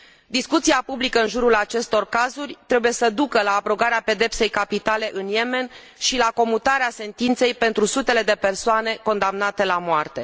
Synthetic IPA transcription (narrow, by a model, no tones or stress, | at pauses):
d̪iskut̪siapublikəɨnʒuɾulat͡ʃe̞st̪o̞rkazurʲt̪ɾe̞buje̞səd̪ukəlaːpɾo̞ɡaɾeape̞d̪e̞pse̞jkapit̪ale̞ʔɨnje̞me̞n | ʃilako̞mut̪aɾease̞nt̪int̪se̞jpe̞nt̪ɾusut̪e̞le̞d̪e̞pe̞rsoane̞ko̞nd̪amnat̪e̞lamoart̪e̞